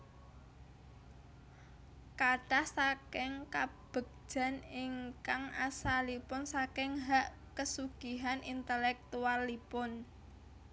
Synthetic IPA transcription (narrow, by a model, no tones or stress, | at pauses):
kaɖ̥ahsakɪŋkab̥ə̤k̚ʒ̥ä̤niŋkaŋasalipʊnsakɪŋɦaʔ | kəsuɡ̥i̤ɦanʔint̪əlɛk̚t̪ualipʊn